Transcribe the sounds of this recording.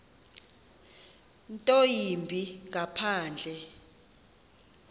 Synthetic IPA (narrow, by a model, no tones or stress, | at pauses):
ntʼojimbʱiŋapʰaːnd͡ɮʱɛ